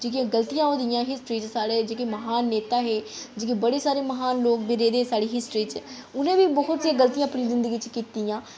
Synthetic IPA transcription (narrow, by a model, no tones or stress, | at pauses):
d͡ʒeːk̬iãːɡəlt̪ijãːoːd̪ɪjãːɦɪsʈɾiːt͡ʃsaːɽeːd͡ʒeːkiməɦaːnːeːt̪aːɦeːd͡ʒeːk̬ibəɽeːsaːɾeːməɦaːnloːk̚beɾeːd̪eːsaːɽiːɦɪsʈɾiːt͡ʃ | ʊnẽːʋiːbəɦʊt̪seːɡəlt̪ijãːəpnĩzɪ̃nd̪əɡiːt͡ʃkiːt̪ijãː